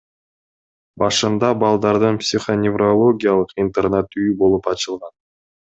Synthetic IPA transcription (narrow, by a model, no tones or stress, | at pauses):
bɑʃɯnd̪ɑbɑlˠd̪ɑɾd̪ɯnpsʲiχonʲɪvrolˠo̞ɡʲijalˠɯqint̪ernet̪yjbo̞lˠupɑt͡ʃɯlˠʁɑn